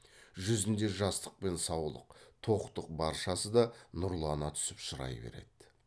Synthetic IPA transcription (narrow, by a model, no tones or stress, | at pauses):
ʒʏzɪnd̪e̞ʒɑst̪əq̚pe̞nsɑwlˠə̰qt̪ʰo̞qt̪əq̚bɑɾʃɑsəd̪ɑnʊɾlˠɑnɑt̪ʰʏ̥sɪpʃəɾɑ̰jbḛɾe̞̰d̪̥ɪ